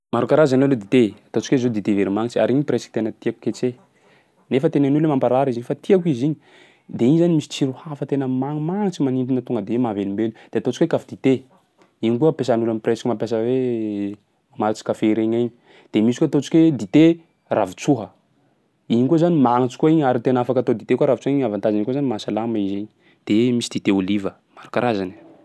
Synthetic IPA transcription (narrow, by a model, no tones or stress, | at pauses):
maɾukaɾazanoaled̪it̪eat̪ot͡sikezod̪it̪eveɾimaŋt͡ʃia̰ɾiɲipresi̥ki̥t̪enət̪iaku̥ket͡se | nefət̪enanulemampaɾaɾiziɲifat̪iakiziɲi | d̪eiɲzanimisi̥t͡siɾuhafət̪enəmaŋumaŋit͡ʃimanint̪inət̪uŋɡəd̪eemavelimbelud̪̥eat̪ot͡ʃi̥kwekafid̪it̪e | iɲkuəpesanulanipreskimampjas̬əwe | amaɾit͡si̥kafeɾeɲaɲi | d̪̥emisi̥kuat̪ot͡si̥kʲwed̪it̪e | ravut͡suɦə | iɲikuzanimaŋit͡si̥kuaiɲaɾit̪enafakat̪od̪it̪ekuaɾav̥t͡suɦiɲavant̪azinikozanimasalamaiziɲi | d̪̥emisid̪̥it̪eolivə | maɾukaɾazani